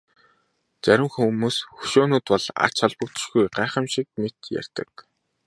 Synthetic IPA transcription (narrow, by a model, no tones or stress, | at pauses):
t͡sæɾʲɪ̆mxumuːsxɵ̥ʃoːnuːt̪pɔɮa̰t͡ɕχɔɮpə̆kt͡ɕɪ̥̆ʃɡujɢæːχə̆mʃik̚met̪jæ̰r̥ʲt̪ə̆k̚